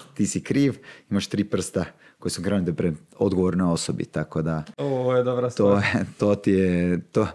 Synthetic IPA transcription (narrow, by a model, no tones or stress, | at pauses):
t̪iːsikɾiːʋimaʃt̪ɾiːpr̩st̪a | kojesuɡɾanut̪epɾe | o̞d̪ɡoʋoɾnojo̞sobḭt̪akod̪aoojed̪obɾast̪ojet̪oːt̪ijet̪o